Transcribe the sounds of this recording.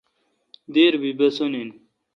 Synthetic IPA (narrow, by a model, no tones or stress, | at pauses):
d̪eɾbibɐsonin